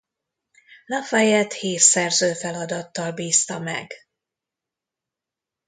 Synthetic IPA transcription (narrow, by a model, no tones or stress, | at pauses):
lɒfɛjɛt̪hiːrsɛrzøːfɛlɒd̪ɒt̪ːɒlbiːst̪ɒmɛ̰ɡ